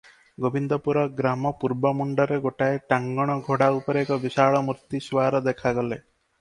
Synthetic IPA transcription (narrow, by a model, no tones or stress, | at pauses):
ɡobʱind̪ɔpuɾɔɡɾamɔpuɾbɔmuɳɖɔɾeɡoʈaeʈaŋɡɔɽ̃ɔɡʱoɽaupɔɾeekɔbisaɭɔmuɾt̪iswaɾɔd̪ekʰaɡɔle